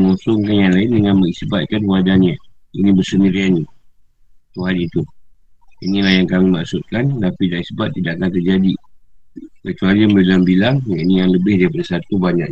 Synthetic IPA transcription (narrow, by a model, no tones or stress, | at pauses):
ŋɔ̃sɔŋkanjaŋlaɪndəŋanməŋisbat̪̚kanpwadanɲa | inibərsəndiɾiani | t̪uɦanit̪u | inilahjaŋkamimaʔsʊt̪̚kant̪apidaisbat̪ːidaʔakant̪ərd͡ʒadi | kət͡ʃualimblambilaŋjainijaŋləbɪhdaɾipadasat̪ubaɲa̰ʔ